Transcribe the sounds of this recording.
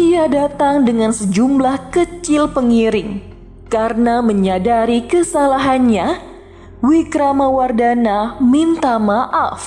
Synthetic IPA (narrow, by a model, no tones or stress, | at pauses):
iadat̪aŋdəŋansəd͡ʒumblahkət͡ʃɪlpəŋiɾɪŋ | karənaməɲadaɾikəsalaɦanɲa | wikɾamawardanamint̪amaʔaf